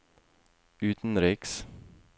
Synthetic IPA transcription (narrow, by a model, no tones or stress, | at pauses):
ʉːt̪n̩ɾɪks